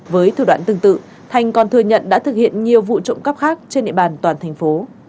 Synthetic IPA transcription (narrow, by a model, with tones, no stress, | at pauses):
vəː˨˦jt̪ʰu˨˧˩ɗwa̰ː˧˨nt̪ɨ˨˩ŋt̪ɨ̰˧˨ | t̪ʰa˨˩jŋ̟kɔ˨˩nt̪ʰɨ˨˧əɲə̰˧˨nɗa̰ː˧˥t̪ʰɨ˨˩k̚hḭ˧˨ənɲi˨˩əwvṵ˧˨t͡ɕə̰˧˨ŋ͡mkə˦˥p̚xaː˦˥k̚t͡ɕe˧nɗḭ˧˨ɓaː˨˩nt̪waː˨˩nt̪ʰɛ˨˩jŋ̟fo˨˦